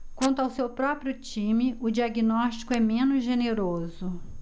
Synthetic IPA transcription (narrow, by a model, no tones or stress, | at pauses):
kwɐ̃nt̪ʊawsewpɾɔpɾjʊt͡ʃĩmɪʊd͡ʒiaɡinɔʃt͡ʃi̥kʊɛmẽnʊzʒeneɾozʊ